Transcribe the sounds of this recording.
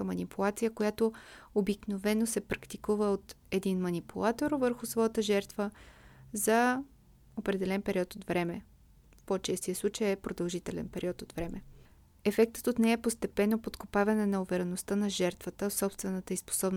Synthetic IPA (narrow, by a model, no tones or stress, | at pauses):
əmɐnipʰulˠat̪sijəkojat̪oobiknovɛnosɛpɾɐkt̪ikuvəot̪ | ɛd̪inmɐnipulˠat̪oɾvəɾxʊsvɔjət̪əʒɛɾt̪vəzɐ | opɾɛd̪ɛlɛnpɛɾʲiɔt̪od̪vɾɛmɛ | fpot͡ʃɛst̪ijəslˠut͡ʃəjɛpɾod̪ɐlˠʒit̪ɛlɛ̰npɛɾʲiɔt̪od̪vɾɛmɛ | ɛfɛk̚t̪ə̥t̪ot̪nɛɛpost̪ɛpɛnːopot̪kopavɐnɛnɐuvɛɾɛnost̪ənɐʒɛɾt̪vət̪əsɔpst̪vɛnət̪əispo̥sɔbn